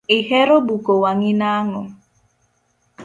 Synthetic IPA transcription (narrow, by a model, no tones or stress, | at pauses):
ɪhɛɾobukowaŋinaŋɔ